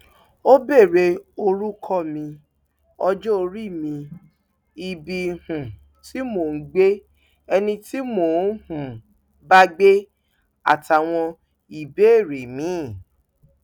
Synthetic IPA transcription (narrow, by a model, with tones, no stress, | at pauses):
o˦be˦˨ɾe˧o˧ɾu˦kʰɔ˦˨mĩ˧ | ɔ˧d͡ʒɔ˦o˧ɾi˦˨mĩ˧ | i˨bi˧hũ˨ | ti˦mo˨n̩˦ɡ͡be˦ | ɛ˧nĩ˧ti˦mo˨˦hũ˨ | ba˦ɡ͡be˦ | a̰˦˨ta˨w̃ɔ̃˧ | i˨be˨˦e˦˨ɾe˨mĩ˨˦˨